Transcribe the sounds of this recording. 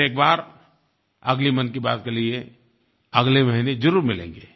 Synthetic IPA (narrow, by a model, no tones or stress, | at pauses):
eːk̚baːɾ | ɐɡlimɐnkiba̰ːt̪̚kelie | ɐɡlemɐɦined͡ʒʊɾuːɾmɪlḛ̃ːŋɡeː